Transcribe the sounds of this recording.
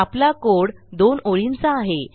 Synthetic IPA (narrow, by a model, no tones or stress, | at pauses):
aplakoɽd̪onoɭint͡saːɦe